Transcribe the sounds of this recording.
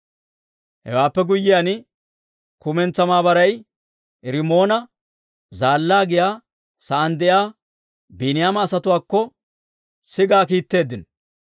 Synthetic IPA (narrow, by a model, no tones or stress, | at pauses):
hɛ̰waːpːɛɡʊjːɪjanɪ | kʊmɛnt͡sːɐmaːbɐɾɐj | ɾɪmo̞ːnɐ | zaːlːaːɡɪjaː | sɐʔːnd̪ɛjaː | bɪnɪjaːmɐːsɐt̪ʊwaːkːɔ | sɪɡaːkiːt̪ːe̞ːd̪ːɪn